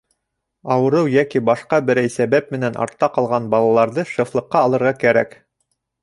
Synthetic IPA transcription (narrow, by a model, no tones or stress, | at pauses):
ɑwɤ̆ɾɤwjækibɑʃqɑbɘ̆ɾæjsæβæp̚mɘ̆nænʔɑ̰ɾt̪ːɑqɑlˠʁɑnbɑlˠɑlˠɑɾðɤʃɤ̆flˠɤ̆qːɑːlˠɤ̆ɾʁɑkæɾæ̰k